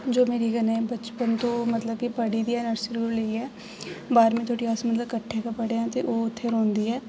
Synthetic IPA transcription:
d͡ʒoːmeːɾiːkənẽːbət͡ʃpənt̪õːmət̪ləb̚kɪpəɽiːd̪iːɛːnəɾsɾuɾleiːɛː | baːɾmẽːt̪ʰoːʈiːaːsmət̪ləbkəʈʰːeːkəpəɽeɛ̃ːt̪eːʔoːʊt̪ʰːeːɾõːnd̪iːɛː

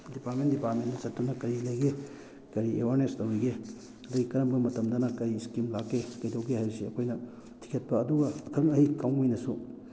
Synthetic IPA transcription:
dipatmendipatmendɐsɐttːunɐkɐɾilɐjɡe | kɐɾiewaɾnestɐwiɡe | ɐduɡikɐɾɐmɡɐmɐtɐmdɐnɐkɐjskimlakːekɐjtʰɐwɡehajbɐsiɐkʰojnɐ | tʰi̥kʰet̚pɐːduɡɐkʰɐŋɐhikawmijnɐsu

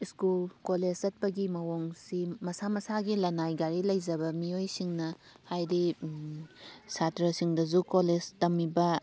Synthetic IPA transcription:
iskulkoled͡ʒzɐt̚pɐɡimɐwoŋsimɐsamɐsaɡilɐnajɡaɾilɐjd͡ʒɐbɐmijojsiŋnɐ | hajɾi | satɾɐsiŋdɐzukoled͡ʒtɐmibɐ

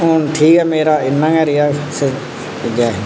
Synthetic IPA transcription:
oːnʈʰiːkɦɛːmeːɾaːɪnːãːɡɛːɾɪjaːse | d͡ʒaːe

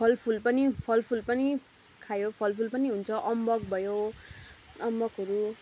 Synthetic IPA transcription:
pʰʌlpʰulpʌnipʰʌlpʰulpʌni | kʰajopʰʌlpʰulpʌniɦunt͡sʰʌʔʌmbʌk̚bʱʌjo | ʌmbʌkɦʌɾu

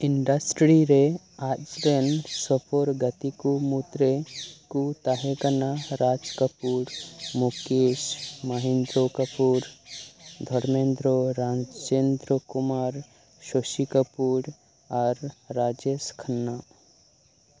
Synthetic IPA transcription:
iɳɖəsʈɾiɾe | ad͡ʒɾensɔpʰoɾɡət̪ikumut̪ɾekut̪aɦekənaɾad͡ʒkəpuɾmukesməɦẽnd̪ɾokəpuɾ | d̪ʱɔɽmend̪ɾoɾad͡ʒend̪ɾəkumaɾ | ʃoʃikəpuɾ | aɾːad͡ʒeskʰənːa

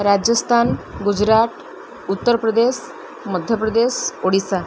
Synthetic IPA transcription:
ɾad͡ʑjəst̪ʰanɡud͡ʑɾat̪ | ut̪ːəɾpɾəd̪es | məd̪ʱjəpɾəd̪esoɽisa

